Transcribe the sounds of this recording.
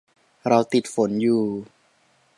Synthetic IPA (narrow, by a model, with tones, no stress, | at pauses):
ɾa˧wt̪i˨˩t̪̚fo˩˦njuː˨˩